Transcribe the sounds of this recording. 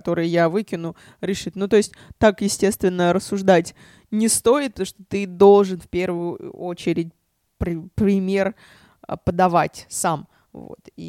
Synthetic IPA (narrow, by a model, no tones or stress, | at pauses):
t̪o̞ɾɨjjavɨkʲɪnʊ | ɾʲɪʂɨt̪nut̪o̞ɪsʲtʲt̪akjɪsʲtʲe̞st̪vʲɪnːəɾəsːʊʐd̪atʲ | nʲɪst̪o̞ɪt̪̚pət̪oʂt̪ot̪ɨd̪o̞lˠʐɨnfpʲe̞rvʊjʊʊ̰ot͡ɕɪɾʲɪtʲ | pɾʲpɾʲɪmʲe̞r | əpəd̪ɐvatʲsam | vo̰t̪ḭ